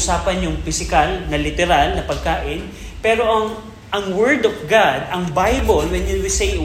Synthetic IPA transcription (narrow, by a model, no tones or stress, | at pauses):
saːpɐnjʊŋfɪsɪkalnɐlɪt̪ɛɾalnɐpɐɡ̚kaːʔɪn | pɛːɾo̞ʔɐŋ | ʔɐŋwɛɹd̪ɔfɡad̪ɐŋbajbolwɛnjʊwɪsej